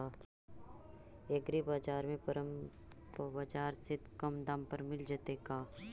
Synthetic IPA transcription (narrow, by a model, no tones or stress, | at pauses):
eɡɾibaːd͡ʒaːɾmẽpɐɾəm | pbad͡ʒaːɾsɪt̪kɐmd̪ampəɾmɪld͡ʒaːt̪ekaː